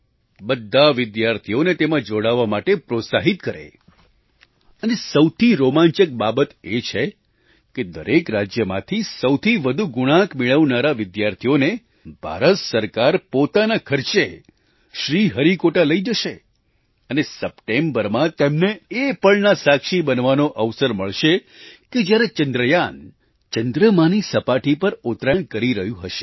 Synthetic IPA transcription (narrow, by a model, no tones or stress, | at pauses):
bəd̪ʱːaʋɪd̪jaɾt̪ʰijonet̪emãd͡ʒoɽaʋːamaʈepɾosaɦit̪kəɾḛ | ənesəwt̪ʰiɾomãɲt͡ʃək̚babət̪et͡ʃʰe | ked̪əɾekɾad͡ʒjəmã̰t̪ʰisəwt̪ʰiʋəd̪ʱuɡʊɽ̃ãkmeɭəʋnaɾaʋɪd̪jaɾt̪ʰijone | bʱa̰ɾət̪səɾkaɾpot̪anakʰəɾt͡ʃe | ʃɾiɦəɾikoʈaləid͡ʒəʃe | ənesəpʈembəɾmãt̪emneːpəɳnasakʃibənʋanoʔəʋsəɾməɭʃe | ked͡ʒjaɾet͡ʃənd̪ɾəjan | t͡ʃənd̪ɾəmanisəpaʈipəɾʊt̪ɾaɳkəɾiɾəɦjũɦəʃe̥